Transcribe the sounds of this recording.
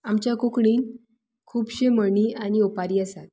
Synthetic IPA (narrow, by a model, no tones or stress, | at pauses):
amt͡ɕjakokɳiːn | kʰuːpɕeməɳiːañiopaɾiːəsat̪̚